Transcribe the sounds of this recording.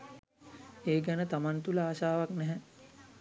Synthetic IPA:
eːɡɛnət̪amant̪uləaːʃaːʋaknɛɦɛ

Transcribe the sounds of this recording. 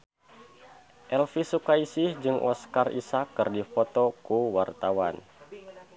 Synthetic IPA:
ʔɛlfisukaisɪhd͡ʒɨŋʔɔ̰skarʔḭsakːɨrdifɔt̪ɔkuwart̪awan

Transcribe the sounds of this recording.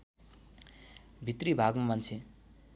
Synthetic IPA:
bʱit̪ribʱaɡamant͡sʰe

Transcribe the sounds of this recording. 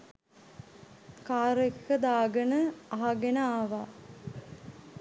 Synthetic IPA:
kaːɾekkəd̪aːɡənəaɦaɡenəaːʋa

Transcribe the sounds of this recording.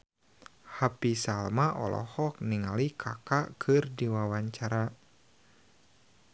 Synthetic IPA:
hapisalmaʔɔ̰lɔ̰hɔk̚niŋalikʰa̰kakʰɨrdiwawaɲt͡ʃaɾa

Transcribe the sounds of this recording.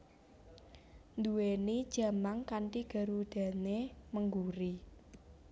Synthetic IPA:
nd̪uwenid̥ʒ̥ä̤maŋkaɳʈiɡ̥a̤ɾud̪̥a̤neməŋɡuɾi

